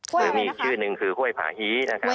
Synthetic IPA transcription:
ɾɯː˨˦miː˧˨˩k̚t͡ɕʰɯː˥˩nɯ˧ŋkʰɯː˧hʰu˥˩əjpʰa̰ː˨˩˦hiː˦˥na˦˥˩kʰa˦˥

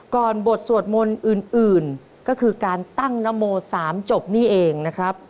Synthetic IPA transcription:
kɔː˨˩nbo˨˩t̪̚su˨˩ət̪̚mo˧nʔɯː˨˩nʔɯː˨˩n | kɔː˥˩kʰɯː˧kaː˧nt̪a˥˩ŋna˦˥mːoː˧saː˩˦mt͡ɕo˨˩p̚niː˥˩ʔeː˧ŋna˦˥kʰɾa˦˥p̚

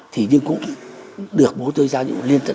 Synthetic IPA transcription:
t̪ʰi˨˩ɲɨ˧kʊ̰˧˥ŋ͡mɗɨ˨˩ək̚ɓo˨˦t̪ɨ˧jzaː˧ɲṵ˧˨li˧ənt̪ə˧˨

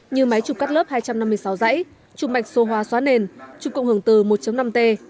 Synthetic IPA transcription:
ɲɨ˧˩ma˨˦jt͡ɕu˨˩ka˦˥ləː˦˥p̚haː˧jt͡ɕa˧mna˧mːɨ˧əjsa˨˦wza̰˧˥j | t͡ɕu˨˩ma˨˩k̟̚so˧˩ɦwaː˧˩swaː˨˦ne˧˩nt͡ɕu˨˩kə̰˧wŋ͡mhɨ˧˩əŋt̪ɨ˨˩mo˨˩t̚t͡ɕə˨˦wna˧mt̪e˧

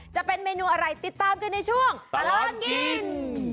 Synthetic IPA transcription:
t͡ɕa˨˩ʔpe˧nmeː˧nuː˧ʔa˧ɾa˧jt̪i˨˩t̪ːaː˧mkɯ˧nːa˧jt͡ɕʰu˥˩əŋla˧n

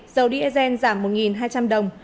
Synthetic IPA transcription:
z̥ə˨˦wɗḭ˧˥əzɛ˧nzaː˧˩mːo˨˩t̚ŋi˨˩nɦaː˧jt͡ɕa˧mɗə˨˩wŋ͡m

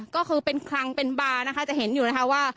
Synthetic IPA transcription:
kɔː˥˩kʰɯː˧pe˧nkʰɾa˧ŋpe˧nbaː˧na˦˥kʰa˥˩t͡ɕa˨˩ʔɦe˩˦njuː˨˩na˦˥kʰa˦˥waː˥˩

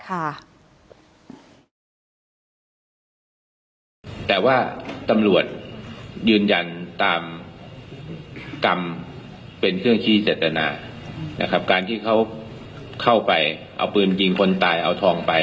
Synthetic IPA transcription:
kʰa˥˩ | t̪ɛː˨˩waː˥˩t̪a˧mlu˨˩ət̪̚jɯː˧nja˧nt̪aː˧m | ka˧m | pe˧nkʰɯ˥˩əŋt̪ʰiː˥˩t͡ɕeː˨˩t̪ːa˧na̰ː˧ | na̰˦˥kʰa˦˥p̚kaː˧nt̪ʰiː˥˩kʰa˦˥w | kʰa˥˩wpa˧jʔa̰˧wpɯː˧nki˧ŋkʰo˧nt̪aː˧jʔa̰˧wt̪ʰɔː˧ŋpa˧j

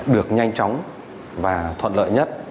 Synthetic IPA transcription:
ɗɨ˨˩ək̚ɲa˧jŋ̟t͡ɕɔ˨˦wŋ͡m | vaː˨˩t̪ʰwə̰˧˨nlə̰ː˧˨jɲə˦˥t̚

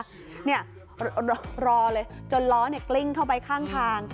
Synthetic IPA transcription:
ni˥˩ɐ | ɾɔː˧lɤː˧jt͡ɕo˧nlɔː˦˥ni˥˩ɐkli˥˩ŋt̪ʰa˥˩wpa˧jkʰaː˥˩ŋt̪ʰaː˧ŋ

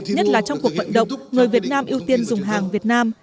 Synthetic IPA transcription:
ɲə˦˥t̚laː˨˩t͡ɕɔ˧wŋ͡mku˨˩ək̚və̰˧˨nɗə̰˧˨wŋ͡mŋɨ˨˩əjvi˨˩ət̚naː˧mʔi˧əwt̪i˧ənzʊ˨˩ŋ͡mɦaː˨˩ŋvi˨˩ət̚naː˧m

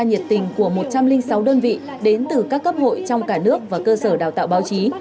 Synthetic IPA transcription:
ɲi˨˩t̚t̪ï˨˩ŋ̟ku˧˩əmo˨˩t̚t͡ɕa˧mlï˧ŋsa˨˦wɗəː˧nvḭ˧˨ | ɗe˨˦nt̪ɨ˨˩kaː˦˥kːə˦˥p̚ho̰˧˨jt͡ɕɔ˧wŋ͡mkaː˧˩nɨ˦˥ək̚vaː˨˩kəː˧səː˧˩ɗa̰ː˨˩wt̪aː˧˨wɓaː˨˦wt͡ɕi˨˦

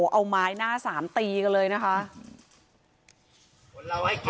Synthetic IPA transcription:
ʔa˧wmaː˦˥jnaː˥˩saː˩˦mt̪iː˧ka˧lɤː˧jna˦˥kʰa˦˥ʔ | a˧ha˥˩k

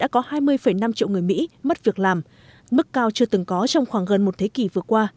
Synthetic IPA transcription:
ɗa̰ː˧˥kɔ˨˦haː˧jmɨ˧əjfə˧˩jna˧mt͡ɕḭ˧˨wŋɨ˨˩əjmḭ˧˥mə˦˥t̚vi˨˩ək̚laː˨˩m | mɨ˦˥kːaː˧wt͡ɕɨ˧ət̪ɨ˨˩ŋkɔ˨˦t͡ɕɔ˧wŋ͡mxwaː˧˩ŋɣə˨˩nmo˨˩t̚t̪ʰe˨˦ki˧˩vɨ˨˩əkwaː˧

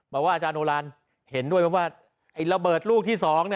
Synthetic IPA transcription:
bɔː˨˩kwaː˥˩ʔa˧t͡ɕaː˧nʔoː˧laː˧n | he˩˦ndu˥˩əjpʰɔ˦˥˩waː˥˩ | ʔa˧˩jɾa˧bɤː˨˩t̪̚luː˥˩k̚t̪ʰiː˥˩sɔː˨˩˦ŋni˥˩

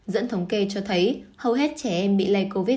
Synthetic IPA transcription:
zə̰˧˥nt̪ʰə˨˦wŋ͡mke˧t͡ɕɔ˧t̪ʰə˨˦jhə˧wɦɛ˦˥t̚t͡ɕɛ˧˩ʔɛ˧mɓḭ˧˨la˧jko˧vi˦˥

